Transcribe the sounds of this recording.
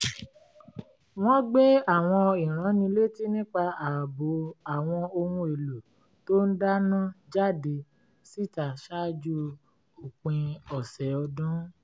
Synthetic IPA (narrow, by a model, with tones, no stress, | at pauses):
w̃ɔ̃˦ɡ͡be˦a˦˨w̃ɔ̃˧i˨ɾ̃ã˨˦nĩ˧˦le˦ti˦nĩ˦k͡pa˧a˨bo˨˦a˨w̃ɔ̃˧o˧hũ˧e˨lo˨ | to˦n̩˦da˦nã˦d͡ʒa˦˨de˧ | si˦˨ta˨ʃa˦d͡ʒu˦ | o˨k͡pĩ˧ɔ˨sɛ˨˦ɔ˧dũ˦